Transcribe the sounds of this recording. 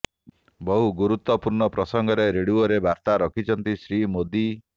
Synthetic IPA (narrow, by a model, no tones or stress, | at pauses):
bɔɦuɡuɾut̪wɔpuɾɳɔpɾɔsɔŋɡɔɾeɾeɽuɔɾebʱaɾt̪aɾɔkʰit͡ʃʰɔnt̪isɾimod̪i